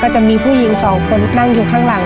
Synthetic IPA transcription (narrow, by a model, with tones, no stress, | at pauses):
kɔː˥˩t͡ɕa˨˩miː˧pʰuː˥˩ji˨˩˦ŋsɔː˩˦ŋkʰo˧nːa˥˩ŋjuː˨˩kʰaː˥˩ŋla˨˩˦ŋ